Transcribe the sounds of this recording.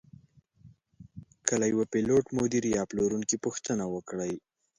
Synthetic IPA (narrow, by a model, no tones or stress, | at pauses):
kəlajwapeloʈmod̪iɾjɑploɾuŋkipuxt̪ənawəkɽaj